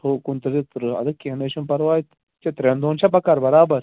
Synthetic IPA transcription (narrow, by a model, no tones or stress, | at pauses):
okunt̪ɐzit̪ɾɐ̰d̪ɐkiɐneʃunpɐɾʋaːit̪ | t͡ʃɐt̪ɾẽnd̪oːnt͡ʃʰɐpɐkɐɾbɐɾaːbɐɾ